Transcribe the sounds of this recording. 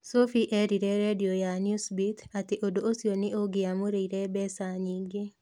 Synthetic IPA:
sofiʔɛɾiɾeɾediojanjusbit̪at̪eʔodoosionɪʔoɡɪamoɾeiɾebɛsaɲiɡe

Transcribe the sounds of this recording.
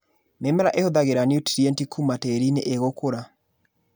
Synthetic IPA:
nemɛɾaʔehoðaɣeɾanjutiɾientikʰumateɾineʔeɣokoɾa

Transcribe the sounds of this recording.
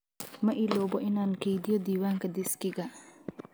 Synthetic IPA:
mɐʔilɔːbɔʔɪnaːnkejd̪ɪjɔd̪iːwaːŋkɐd̪ɪskɪɡɐ

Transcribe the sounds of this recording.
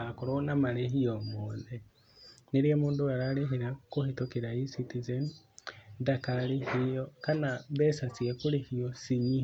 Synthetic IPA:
akoɾonamaɾeɦiɔmoːðe | neɾiamoːndoaɾaɾeɦeɾakohetokeɾaisitizen | dakaɾihejɔkanaβɛsat͡siakoɾehiɔsiɲi

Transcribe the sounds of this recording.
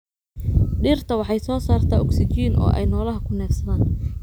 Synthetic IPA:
ɖiːrt̪ʰɐwɑħɑjsɔːsaːrt̪ʰaːɔksɪt͡ʃiːnʔɔ̰ːʔɛ̰jnɔːlɐɦɐkʰʊnɛːfsɐðaːn

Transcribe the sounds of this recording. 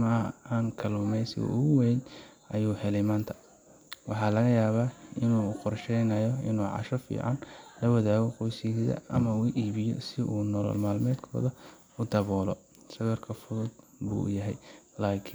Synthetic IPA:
mɐɐaːŋkʰɐluːmɛjsɪ̰ɣɔ̰ʔʊɣʊwɛjnʔɐjuːhɛlɛjmaːnt̪ʰɐ̥ | wɑħɑːlɐɣɐjaːβaːɪnuːqɔrʃɛjnɐjɔɪnuːʕɑ̰ʃɔfḭːʕɑ̰nlɐwɐðaːɣɔqɔjsɪðɐ̰ʔɐmɐuːʔiːβɪjɔ̰sɪʔuːnɔlɔ̰lmaːlmɛːd̪kʰɔ̰ːðɐ | ʊd̪ɐβɔːlɔ | sɐβɛrkʰɐfʊðʊd̪̚ | bṵːjɐɦɛjlaːkʰɪ

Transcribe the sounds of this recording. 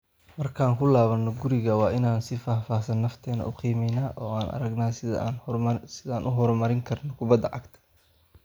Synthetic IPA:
mɐrkʰaːŋkʰʊlaːβɐnːɔɡʊɾɪɣɐwɑːʔɪnaːnsɪfaːfaːsɐnːɐft̪ʰɛːnɐ̰ʔʊqiːmɛjnaːʔɔːaːnʔɐ̰ɾɐɡnaːs | sɪðaːnʔʊɦɔɾmɐɾɪŋkʰɐrnɔkʰʊbɐd̪ːɐʕɑɡt̪ʰɐ̥

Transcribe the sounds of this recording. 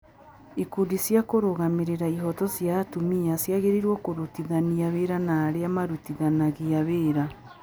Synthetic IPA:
ekudisjakoɾoɣameɾeɾaiɦɔtɔsjatumiasjaɣeɾiɾwɔkoɾotiðaniaβeɾanaːɾeamaɾutiðanaɣiaβeːɾa

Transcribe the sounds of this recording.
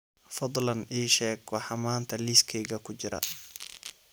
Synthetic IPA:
fɑd̪ˤlɐniːʃɛːɡɔħɑmaːnt̪ʰɐliːskʰɛjɣɐkʰʊt͡ʃɪɾɐ̰

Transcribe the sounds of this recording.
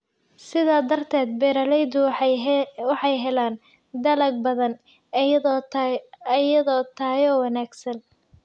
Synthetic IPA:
sɪðaːd̪ɐrt̪ʰɛːd̪̚bɛɾɐlɛjd̪ʊ | wɑħɑjɦɛlaːn | d̪ɐlɐɡ̚bɐðɐn | ɐjɐðɔːt̪ʰaːjɔːwɑnaːɡsɐn

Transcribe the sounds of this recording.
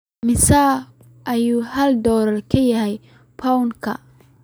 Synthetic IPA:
mɪsaː | ʔɐjuːhɐld̪ɔːɾɐrkʰɐjɐɦɛj | pʰawŋkʰɐ̰

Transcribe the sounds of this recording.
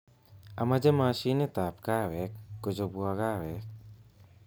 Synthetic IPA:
a̰mad͡ʒɛmasinɛt̪apkawɛk̚ːod͡ʒobuaɡawɛk̚

